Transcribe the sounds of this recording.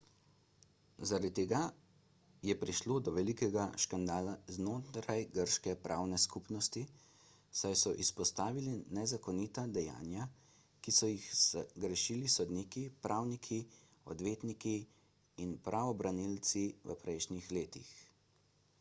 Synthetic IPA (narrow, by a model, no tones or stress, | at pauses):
zaɾad̪t̪eɡa | jɛpɾiʃloːd̪ɔʋɛlikɛɡaʃkand̪aːlaznoːt̪ɾajɡəɾʃkɛpɾʔaːwnɛskupnɔst̪i | sajsɔʔispɔst̪aːʋilinɛzakɔnit̪ad̪ɛja̰ːnja | kisɔjixsɡɾɛʃilisɔd̪nikipɾʔaːwnikʰi | ɔ̰d̪ʋeːt̪niki | inpɾʔaʋɔbɾanilt̪siʋə̰pɾɛjʃnixleːt̪ix